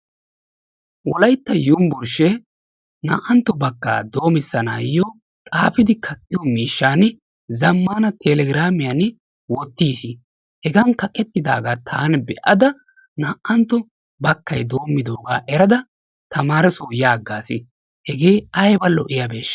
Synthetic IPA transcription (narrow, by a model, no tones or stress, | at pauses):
wɔ̰lɐjt̪ːɐjʊmbʊɾʃɛ | nɐ̰ːʔɐnt̪ːɔbɐkːa̰ːd̪o̞ːmɪsːɐna̰ːjɔ | kʼaːpɪd̪ɪkʰɐkʼːɪjɔmiːʃːaːnɪ | zɐmːaːnɐt̪ʰɛlɛɡɪɾaːmɪjɐn | wɔt̪ːiːsɪ | hɛɡɐnkɐkʼɛt̪ːɪd̪a̰ːɡaːt̪ʰaːnbɛʔɐd̪ɐ | nɐʔʔɐnt̪ːɔ | bɐkːɐjd̪o̞ːmːɪd̪oːɡa̰ːʔɛɾɐd̪ɐ | t̪ɐmaːɾɛsojaːɡːaːsɪ̰ | hɛɡe̞ːɐjbɐlːɔʔɪjɐbeːʃ